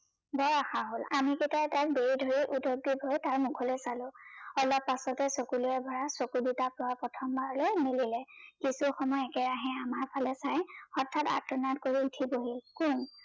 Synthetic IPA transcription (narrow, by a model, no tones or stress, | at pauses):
bɔɹaxaɦolamiketatak̚beidʱoɹiʔudʱoɡ̚ːibʱojtaɹmʊkʰɔlojsalʊ̃ɔlɔpːasɔtɛsokuluɛbʱɔɹasokuditapʊapɹɔtʰɔmbaɹlojmililɛkisuxɔmɔjɛkɛɹaɦɛ̃amaɹpʰalɛsajɔɹtʰːata̰tɔnatkoɹiutʰiboɦilkun